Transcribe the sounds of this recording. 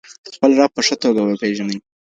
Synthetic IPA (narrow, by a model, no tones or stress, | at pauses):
d̪̥əxpəlɾɑpəʂət̪oɡawəpeʒanəj